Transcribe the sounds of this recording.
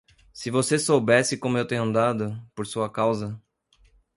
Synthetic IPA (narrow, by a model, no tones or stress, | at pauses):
sɪvosesowbɛsɪkõmʊewt̪ẽɲ̃ɐ̃nd̪ad̪ʊpoɾsuɐkawzɐ